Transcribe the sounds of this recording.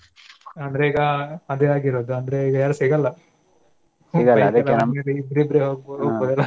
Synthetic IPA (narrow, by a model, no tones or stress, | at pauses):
ɐnd̪ɐɾeiːɡɐɐd̪eaːɡiɾoːd̪uɐnd̪ɐɾeiːɡɐjaːɾɐsiːɡɐlːɐ | iɡɐlɐd̪ɐɐlɐnɐelibɾibɾeɦoːɡɦoːɡboːd̪ɛlːɐ